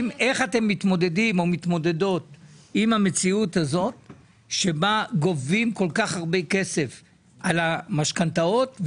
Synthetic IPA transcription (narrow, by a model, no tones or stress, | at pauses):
me̞χate̞mːit̪mo̞d̪e̞dimo̞mit̪mo̞de̞do̞t̪imhame̞t͡siut̪hazo̞t̪̚ | ʃe̞baɡo̞vimko̞lkaχhaʁbeke̞se̞f | ʔalamaʃkant̪ao̞t̪v